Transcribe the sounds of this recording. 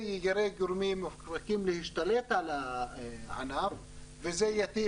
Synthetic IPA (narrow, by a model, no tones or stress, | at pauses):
jaɾeɡuɾmimːafkɾakimlehiʃt̪alet̪ʕala | ʕa̰naɾ | vezejat̪i